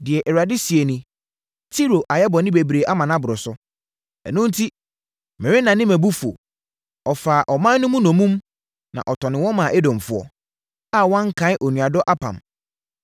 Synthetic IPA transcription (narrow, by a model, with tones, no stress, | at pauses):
dɪ˨ɛ˨ʔɛ˨ɾa˨dɪ˦si˨e˨nĩ˨ | tʰi˦ɾo˨ʔa˨jɛ˦bɔ˨nɪ̃˦be˨bɾe˨ʔa˦mã˨nã˦bʊ˨ɾʊ˨sʊ˦ | ɛ̰˨nʊ̃˦n̩˦tʰi˦ | mɪ̃˨wɪ̃˦nã˨nɪ̃˦mæ̃˨bu˦fu˨o̰˨ | ɔ˨faː˨ʔɔ˨mã˦nː˦ʊ̃˦mũ˦nɔ̃˨mũ˦m | nã̰˨ʔɔ˨tʰɔ˨nɪ̃˨wɔ̃˦mã˨ʔɛ˦dɔ̃˨m˨fʊ˦ɔ̰˦ | a˦˨wɔ̃˦ŋ˦kʰã˨˦ɪ˦ʔɔ˨nũ˨a˨dɔ˦ʔa˦pʰã̰˨m